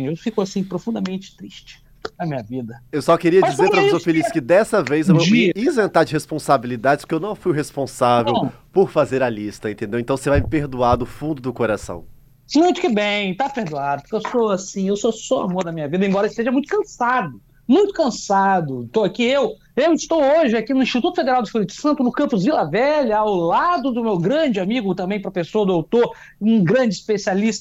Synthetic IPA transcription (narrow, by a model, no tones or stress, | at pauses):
ewfikʊasĩpɾofũnd̪ɐmẽnt͡ʃɪ̥t̪ɾiʃt͡ʃɪ̥ | nɐmĩɲɐvid̪ɐewsɔkeɾiɐd͡ʒizeɾpɾɐvsofeliskɪd̪ɛsɐvejzewveiizẽnt̪aɾd͡ʒɪhespõsabilid̪ad͡ʒɪspkewnɐ̃w̃fujɦespõsavew | poɾfazeɾɐlist̪ɐẽnt̪ẽnd̪ewẽt̪ɐ̃w̃sevajmpeɾd̪uad̪ʊʊfũnd̪ʊd̪ʊkoɾasɐ̰̃w̃ | mũj̃t̪ʊ̥kɪbẽj̃t̪apeɾd̪uad̪ɐpʊ̥ɾkewsoasĩewsosɔa̰moɾd̪ɐmĩɲɐvid̪ɐẽbɔɾɐɪst̪eʒɐmũj̃t̪ʊ̥kɐ̃sad̪ʊ | mũj̃t̪ʊ̥kɐ̃sad̪ʊt̪oakiew | ewɪst̪owoʒɪakinʊĩst͡ʃit̪ut̪ʊfed̪eɾawd͡ʒ̪ɪsfpuɾit̪ʊ̥sɐ̃nt̪ʊnʊkɐ̃mpʊzvilɐvɛʎɐawlad̪ʊd̪ʊmewɡɾɐ̃d͡ʒɪamiɡʊt̪ɐ̃mbẽj̃pɾɐpesoɐd̪ʊawt̪oɾ | ũɡɾɐ̃d͡ʒɪispesialist̪ɐ